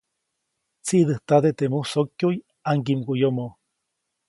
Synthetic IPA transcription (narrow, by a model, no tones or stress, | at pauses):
t͡siʔd̪ɨht̪ad̪et̪emuhsokjuj | aŋkimkujomo